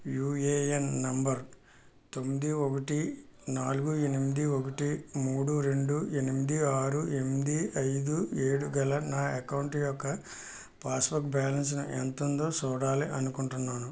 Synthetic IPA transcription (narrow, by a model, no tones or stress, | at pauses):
juːeːjɐnːɐmbɐɾ | t̪omːid̪iokɐʈinaːluɡue̞nimid̪iokɐʈimuːɽuɾe̞ɳɖuenimid̪iaːɾue̞mid̪iɐjd̪ueːɽuɡɐlɐnaːɐkɐwuɳʈjɔkːɐ | paːsbɐkbaːlɐns̬nɐʔḛnt̪ɐnd̪o̞ːt͡ʃuːɽaːliʔɐnukuɳʈunːaːnu